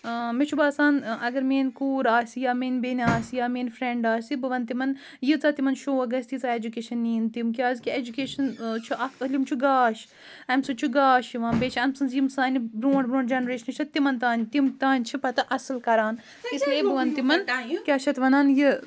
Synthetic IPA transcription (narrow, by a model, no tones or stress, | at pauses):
met͡ʃʰubaːsaːnɐɡɐɾmeːnʲkuːɾaːsʲjaːmeːnʲbeːnʲaːsijaːmeːnfɾeɳɖaːsʲibɐʋɐnt̪imɐn | jɨt͡saːt̪imɐnʃoːɐɡɐsʲt̪jit͡saːed͡ʒukeːʃɐnːiːnt̪imkʲaːzʲkʲied͡ʒukeːʃɐnt͡ʃʰuʔɐɐlʲimt͡ʃʰuɡaːʃ | ɐmsɨt͡ʃʰuɡaːʃjiʋaːnbeːt͡ʃʰɐmsɨnzjimsaːnibɾõːɳʈbɾõːɳɖd͡ʒɐnɾeːʃɐnɨt͡ʃʰɐt̪imɐnt̪aːnʲt̪imt̪aːnʲt͡ʃʰipɐt̪ɨʔɐsɨlkɐɾaːn | isleːbɐʋɐnt̪imɐnkʲaːʃɐt̪ʋɐnaːnji